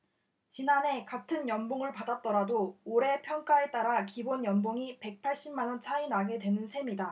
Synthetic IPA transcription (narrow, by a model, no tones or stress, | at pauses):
t͡ɕinanɦe̞katʰɯnjʌmboŋɯɭpadat̚t͈ʌɾadooɾe̞pʰjʌŋk͈ae̞t͈aɾakibonjʌmboŋipe̞k̚pʰaɭɕ͈imːanʌnt͡ɕʰainaɡe̞dwe̞nɯnsʰe̞mida